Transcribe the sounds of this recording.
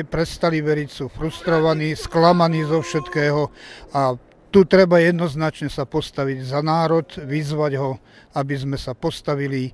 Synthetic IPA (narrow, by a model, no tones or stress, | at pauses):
pɾɛst̪aliʋɛɾicsuːfɾust̪ɾɔʋaniːsklamaniːzɔfʃɛt̪kɛːɦɔa | t̪ut̪ɾɛbajɛd̪nɔznat͡ʃɲɛsapɔst̪aʋiɟzanaːɾɔt̪ʋizʋaɟɦɔ | abizmɛsapɔst̪aʋili